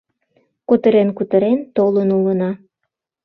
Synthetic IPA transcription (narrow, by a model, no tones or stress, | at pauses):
kut̪əɾenkut̪əɾent̪olənulənɑ